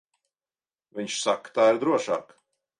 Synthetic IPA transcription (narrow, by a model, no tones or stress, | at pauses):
viɲʲʃsakːt̪aːiɾd̪ɾuɔʃa̰ːk